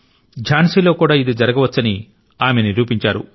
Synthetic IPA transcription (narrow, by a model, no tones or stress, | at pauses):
d͡ʒʱaːnsiːlo̞ːkuːɽaːid̪id͡ʒɐɾɐɡɐʋɐt͡ʃːɐni | aːmeniɾuːpiɲt͡ʃaːɾṵ